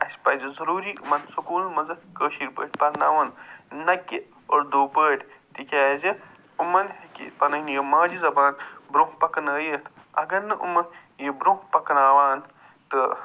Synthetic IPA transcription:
ɐsʲpɐzɨzɐɾuːɾiːʔumɐnsukuːlmɐd͡zɐkəːʃiɾpə̰ːʈʲpɐɾna̰ːʋɐnːɐkːi | oɾd̪uːpəːʈʲt̪ikʲaːzi | umɐnhekḭpɐnɐɦnijimaːd͡ʒizɐbaːnbɾoɦpɐkɐnɐːjət̪ | ɐɡɐɾnɨʔumɐn | jibɾohpɐkɐnaːʋaːn | t̪ɨ

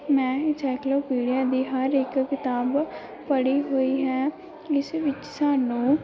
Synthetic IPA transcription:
mɛ̃ːt͡ʃɛːkloːpiːɽijaːd̪iːɦəɾɪkkɪt̪aːb | pəɽiːɦoːiːɦɛː | ɪsʋɪt͡ʃsaːnũː

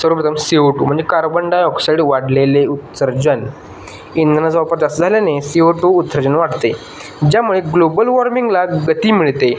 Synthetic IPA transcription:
səɾəpɾət̪ʰəmseʋʈṵm̤əɳd͡zekaɾbəɳɖajɔksajɽʋaɽleleut̪səɾd͡ʑən | ind̪ənad͡zʋapəɾt̪asəd͡zʱaljanesiʋʈuːt̪səɾd͡ʑənʋaʈt̪e | d͡ʑjamuɭeɡlobəlʋɔɾmiŋɡlaɡət̪imiɭt̪e

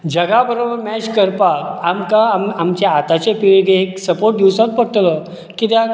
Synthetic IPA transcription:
d͡ʑəɡabəɾobəɾmɛt͡ɕkəɾpakamkamamt͡ɕeat̪at͡ɕepiɭɡ̪eɦeksəpoɾʈ̚d̪iwsək̪̚pəɽt̪lə | kit̪ja

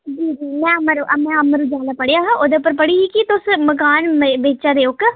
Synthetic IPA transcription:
d͡ʒiːd͡ʒiːmɛ̃ːəməɾʔɐmɛ̃ːəməɾud͡ʒaːlaːpəɽejaːɦãʔoːd̪epəɾpəɽiːɦiːkit̪ʊsməkaːnmebeːt͡ʃaːɾeːʊk

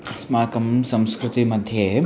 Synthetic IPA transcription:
smaːkɐmsɐ̃mskɾɪt̪imɐd̪ʱje

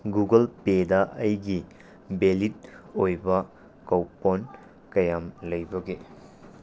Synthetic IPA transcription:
ɡuɡɐlpedaʔɐjɡi | belit̚ojbɐ | kɐwpon | kɐjamlɐjbɐɡe

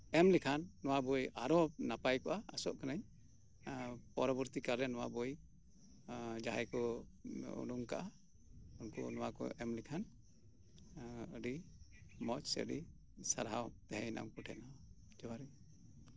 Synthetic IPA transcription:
ɛmlikʰanːɔwabɔjaɾɔnapajkɔʔaːsɔʔkanaɲ | pɔɾɔbɔɾt̪ikalɛnɔwa̰bɔj | d͡ʒaɦajkɔ | ṵɖuŋka̰ʔa | unkɔ̰nɔwakɔ̰ʔɛmlikʰan | əɖimɔt͡ʃsə̰ɖi | saɾɦawt̪ɛɦɛjna̰mkɔʈʰɛ̰na | d͡ʒɔwaɾi

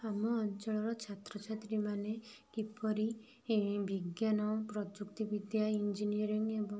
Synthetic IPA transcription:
amɔːnt͡ʃɔɭɔɾɔt͡ʃʰat̪ɾɔt͡ʃʰat̪ɾimanekipɔɾi | biɡjanɔpɾɔd͡ʒukt̪ibid̪jaind͡ʒinijɔɾiŋebɔŋ

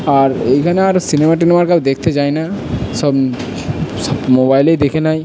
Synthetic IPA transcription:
aɾejkʰaneaɾsinemaʈinemaɾkabd̪ekʰt̪ed͡ʑajnasɔb | sɔbmobajlejd̪ekʰenaj

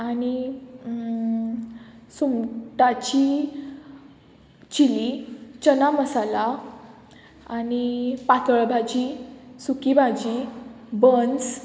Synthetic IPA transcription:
ani | sumʈat͡ɕi | t͡ɕilit͡ɕənaməsala | anipat̪əɭbʱad͡ʑisukibʱad͡ʑi | bəns

